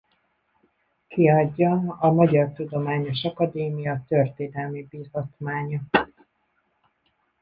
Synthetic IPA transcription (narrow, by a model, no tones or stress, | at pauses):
kiɒɟːɒɒmɒɟɒrt̪ud̪o̞maːɲo̞ʃɒkɒd̪eːmijɒt̪ørt̪eːd̪ɛlmibizɒt̪maːɲɒ